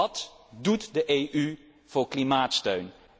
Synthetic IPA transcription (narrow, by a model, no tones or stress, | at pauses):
ɑt | dutdəʔejʔy | v̥ʊːɹklimaːtstøɥn